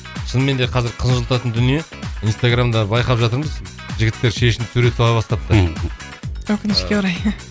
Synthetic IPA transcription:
ʃənme̞nd̪eqʰɑzɪɾqʰənʒəlˠt̪ɑt̪ənd̪ʏnije̞ | ijnst̪aɡramd̪ɑbɑjqɑpʒɑt̪əɾməz | ʒɪɡʲɪt̪ːe̞ɾʃe̞ʃɪnt̪ʰɵɾe̞sʰulɑbɑst̪ɑp̚t̪ːə | wɵkʲɪnɪʃkʲeʊɾɑj

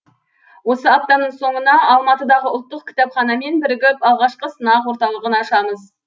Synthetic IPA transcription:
wo̞səap̚t̪ɑnəɴso̞ɴənɑɑlˠmɑt̪əd̪ɑʁəʊlˠt̪ːəq̚kʲʰɪ̥t̪ɑpχɑnɑme̞nbɪɾɪɡʲɪpɑlˠʁɑʃqəsənɑqwo̞ɾt̪ɑlˠəʁənɑʃɑməz

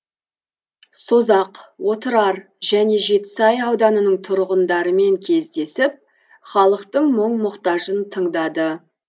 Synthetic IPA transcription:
so̞zɑqwo̞t̪əɾɑɾ | ʒ̥æne̞ʒe̞t̪ɪ̥sɑjɑwd̪ɑnənəɴt̪ʰʊɾʁənd̪ɑɾəme̞ŋkʲʰe̞zd̪e̞sɪp̚ | χɑlˠəqt̪əɴməɴmʊqt̪ɑʒənt̪ʰəɴd̪ɑd̪ə

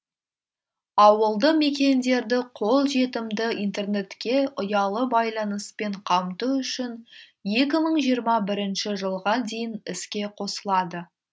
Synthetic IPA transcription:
ɑwəlˠd̪əme̞kʲe̞nd̪e̞ɾd̪ɪqʰo̞lˠʒe̞t̪ɪmd̪ɪint̪e̞rne̞t̪kʲe̞ʊjɑlˠəbɑjlˠɑnəspe̞ɴqʰɑmt̪uʏʃɪn | je̞kʲɪməɴʒijəɾmɑbɪɾɪnʃɪʒəlˠʁɑd̪e̞jɪnɪskʲe̞qʰo̞səlˠɑd̪ə

